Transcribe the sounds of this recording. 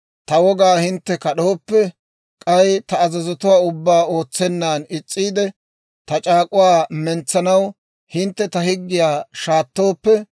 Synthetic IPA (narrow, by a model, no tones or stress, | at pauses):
t̪ɐwɔɡaːhɪnt̪ːɛkɐɗoːpːɛ | kʼɐjt̪ɐːzɐzɔt̪ʊwaːʊbːaːo̞ːt͡sːɛnːaːnɪt͡sʼːiːd̪ɛ | t̪ɐt͡ʃʼaːkʼʊwaːmɛnt͡sːɐnɐw | hɪnt̪ːɛt̪ɐhɪɡːɪjaːʃaːt̪ːo̞ːpːɛ